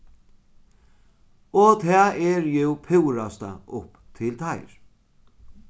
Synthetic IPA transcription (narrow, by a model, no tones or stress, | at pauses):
ɔt̪ʰɛːɛɹjɛwpʰɪwɾast̪a̰ʊp | t̪ʰɪlt̪ʰajɹ